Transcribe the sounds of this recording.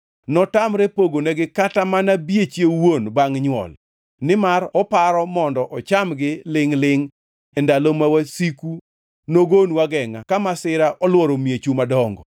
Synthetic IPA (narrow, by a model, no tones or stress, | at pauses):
nɔtamɾɛpoɡonɛɡɪkatamanabjet͡ʃjewonbaŋɲwɔ̰l | nɪmaɾɔpaɾɔmɔndɔʔɔt͡ʃamɡɪlɪŋlɪŋ | ɛndalomawasiku | noɡonwaɡɛŋakamasɪɾaʔɔlwɔɾomjet͡ʃumadɔŋɡɔ